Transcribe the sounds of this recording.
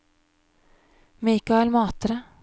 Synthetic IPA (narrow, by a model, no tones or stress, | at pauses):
miːkɑɛlmɑːt̪əɾə